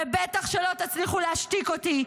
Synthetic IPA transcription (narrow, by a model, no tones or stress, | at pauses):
bet̪aχʃelo̞t̪at͡sliχuleaʃtikot̪i